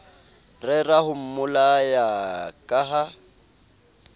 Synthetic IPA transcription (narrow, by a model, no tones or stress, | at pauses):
rɪrahʊm̩mʊlajakʼaɦa